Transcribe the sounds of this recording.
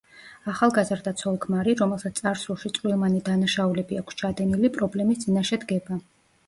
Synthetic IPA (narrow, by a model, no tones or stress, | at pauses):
aχalˠɡazɾd̪at̪sʰɔlˠkʰmaɾiɾɔmɛlˠsat̪ssʼaɾsɾuʃit̪sʼvwilˠmanid̪anaʃaulɛbiakʰst͡ʃʰad̪ɛnilipʼɾɔblɛmist̪sʼinaʃɛd̪ɡɛba